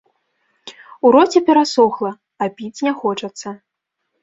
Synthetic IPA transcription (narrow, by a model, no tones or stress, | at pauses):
uɾɔt͡sʲɛpʲɛɾasɔxlˠɐ | abʲit͡sʲnʲɛxɔt͡ʂɐt̪sːɐ